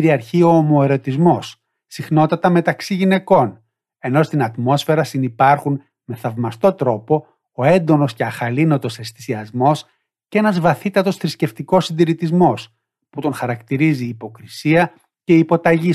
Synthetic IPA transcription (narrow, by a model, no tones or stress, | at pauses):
ɾiɐɾçio̞ːmo̞e̞ɾo̞t̪izmo̞sː | ixno̞t̪ɐt̪ɐme̞t̪ɐksiʝine̞ko̞n | e̞no̞st̪inɐt̪mo̞sfe̞ɾɐsinipɐɾxun | me̞θɐvmɐst̪o̞t̪ɾo̞po̞ː | e̞nd̪o̞no̞sceɐxɐlino̞t̪o̞sest̪i̥siɐzmo̞s | cee̞nɐzvɐθit̪ɐt̪o̞sθɾisce̞ft̪iko̞sind̪iɾit̪izmo̞s | put̪onxɐɾɐkt̪iɾiziːpo̞kɾisiɐ | ce̞ipo̞t̪ɐʝi